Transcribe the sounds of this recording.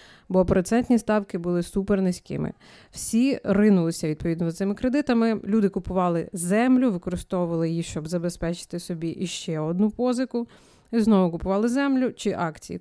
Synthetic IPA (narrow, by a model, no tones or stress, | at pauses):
bɔpɾɔt̪sɛnʲt̪ʲnʲist̪ɑwkɪbʊlˠɪsupɛrnɪsʲkɪ̰mɪ̰ | w̥sʲirɪnʊlˠɪsʲɐʋʲid̪̚pɔʋʲid̪nɔzɐt̪ɪmɪkɾed̪ɪt̪ɐmɪlʲud̪ɪkʊpʊʋɑlˠɪzɛmlʲʊʋɪkɔɾɪst̪ɔʋʊʋɐlˠɪjixʃt͡ʃɔbzɐbespɛt͡ʃɪ̥t̪ɪsɔbʲiʔiʃt͡ʃɛɔd̪nupɔzɪkʊ | iznɔʋʊkʊpʊʋɑlˠɪzɛmlʲʊt͡ʃɪʔɑkt͡sʲḭjḭ